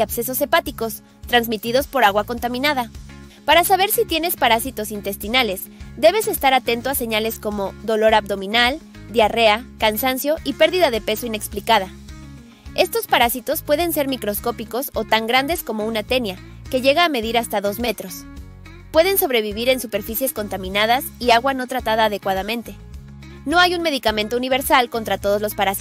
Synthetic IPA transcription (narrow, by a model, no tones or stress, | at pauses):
aβseso̞se̞pat̪iko̞s | t̪ɾanzmit̪iðo̞spo̞ɾaɣwako̞nt̪amĩnaða | paɾasaβe̞ɾsit̪je̞ne̞spaɾasit̪o̞sint̪e̞st̪inale̞z | d̪e̞βe̞se̞st̪aɾat̪e̞nt̪oase̞ɲale̞sko̞mo̞ðo̞lo̞ɾabd̪o̞mĩnal | d̪jare̞akansansjo̞ʔipe̞ɾðiðaðe̞pe̞so̞ine̞ksplikaða | e̞st̪o̞spaɾasit̪o̞spwe̞ðe̞nse̞ɾmikɾo̞sko̞piko̞so̞t̪aŋɡɾand̪e̞sko̞mo̞unat̪e̞nja | ke̞ʝe̞ɣaːme̞ðiɾast̪aðo̞zme̞t̪ɾo̞s | pwe̞ðe̞nso̞βɾe̞β̞iβiɾe̞nsupe̞ɾfisje̞sko̞nt̪amĩnaðasiaɣwano̞t̪ɾat̪aðaːðe̞kwað̞amẽ̞nt̪e̞ | no̞ajunme̞ðikamẽnt̪ouniβ̞e̞ɾsalko̞nt̪ɾat̪o̞ð̞o̞zlo̞spaɾasi